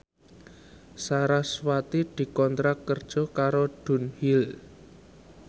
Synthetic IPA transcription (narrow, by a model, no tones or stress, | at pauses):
saɾaswat̪id̪̥i̤kɔnt̪ɾakkːərd̥ʒ̥ɔ̤kaɾoɖ̥ṳnhil